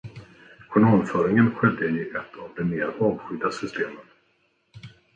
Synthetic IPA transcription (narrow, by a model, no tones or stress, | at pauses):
kʰʊɳoːnfœːɾɪŋənɧɛd̪ːəɪʔɛt̪ʰːavd̪ɛmeːɾɑːvɧʏd̪ːasʏst̪ʰeːmət̪